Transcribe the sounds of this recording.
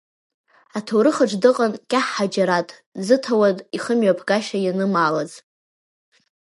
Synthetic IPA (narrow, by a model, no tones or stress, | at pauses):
atʰowɾɨχaʈ͡ʂʰʼdɨqʼankʲʼaħːad͡ʒaɾatʼ | zɨtʰawadʼiχəmɥapʰɡaʃajanɨmaːlaz